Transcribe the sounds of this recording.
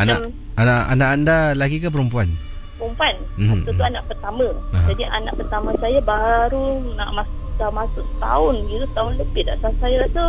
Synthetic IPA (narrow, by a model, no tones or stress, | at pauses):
anam | anaa̰naʔandalaɡikapəɾumpuan | pəɾumpuanmaut̪uanaʔpərt̪amə̃ad͡ʒɦadiʔanaʔpərt̪amãsajabaɾuna̰ʔmasʔdamasʊʔt̪a̰ʊnɡiɾut̪aʊnləbɪtda̰ʔsasajaɾasa